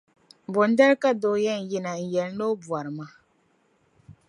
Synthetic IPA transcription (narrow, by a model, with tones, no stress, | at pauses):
bɔ˨n˦da˦ɾka˦do˨jɛ˦˨n̩˨ji˦na˨n̩˨jɛ˨lno˦bu˨a˨ɾma˦